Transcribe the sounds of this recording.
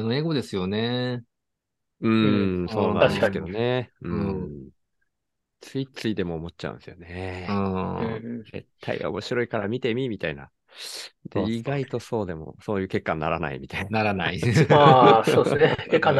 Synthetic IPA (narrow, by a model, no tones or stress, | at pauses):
noe̞ɡo̞d̪e̞sɨjo̞ne̞ | ɯ̟̃so̞ːnã̰aɕksked̪o̞neɯɯ̃ | t͡sɨit͡sɨid̪e̞mo̞ːmo̞t͡ɕ̚t͡ɕa̰ɯ̰̃nsɨjo̞neɯ̃ | ze̞̰t̪ʰːa̰ḭo̞̰mo̞ɕiɾo̞ikaɾamʲit̪e̞mʲimʲit̪aina̰ | d̪̥eiɡait̪o̞so̞ːd̪e̞mo̰so̞ːjɯ̟ːke̞kːanːaɾana̰ḭmʲit̪aianaɾanaiasoekekːãn